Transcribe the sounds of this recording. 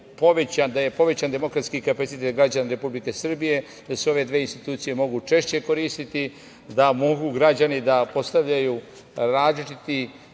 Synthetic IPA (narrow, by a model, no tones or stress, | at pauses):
po̞ʋe̞t͡ɕand̪aje̞po̞ʋe̞t͡ɕand̪e̞mo̞kɾat̪skikapasit̪et̪ɡɾad͡ʑanaɾe̞publike̞sr̩bije̞ | d̪aseo̞ʋe̞d̪ʋeːinst̪i̥t̪uːt̪sije̞mo̞ɡut͡ʃe̞ʃt͡ɕe̞ko̞ɾiːst̪it̪i | d̪amo̞ɡuɡɾad͡ʑanid̪apo̞st̪aʋʎajuː | ɾaːzlit͡ʃit̪i